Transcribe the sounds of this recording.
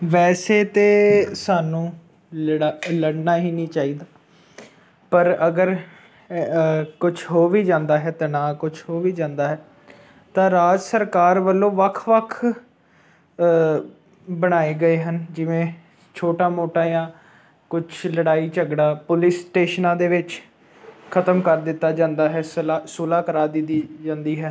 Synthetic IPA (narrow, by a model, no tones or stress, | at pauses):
ʋɛːseːt̪eːsaːnũː | ləɽnaːɦiːnĩːt͡ʃaːiːd̪aː | pəɾəɡəɾ | kʊt͡ʃʰɦoːʋiːd͡ʒãːnd̪aːɦɛːt̪aːnaːkʊt͡ʃʰhoːʋiːd͡ʒãːnd̪aːɦɛː | t̪ãːɾaːd͡ʒsəɾkaːɾʋəlːõːʋəkʰʋəkʰ | bəɽ̃aːeːɡəeːɦənd͡ʒɪʋẽː | t͡ʃʰoːʈaːmoːʈãːjãː | kʊt͡ʃʰləɽaːiːt͡ʃəɡɽaːpʊlɪsʈeːʃnãːd̪eːʋɪt͡ʃ | kʰət̪əmkəɾd̪ɪt̪ːaːd͡ʒãːnd̪aːɦɛːslasuːlaːkəɾaːd̪ɪid͡ʒãːnd̪iːɦɛː